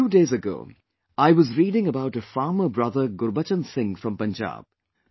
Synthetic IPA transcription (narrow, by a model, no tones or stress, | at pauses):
uːdeːzəɡo̰ː | aɪwʌzɹiːɾɪ̃ŋəbaʊʈəfɑːməbɹʌðəɾɡʊɾbət͡ʃə̃nsɪ̃ŋfɾʌ̃mpə̃nd͡ʒa̰ːb̥̚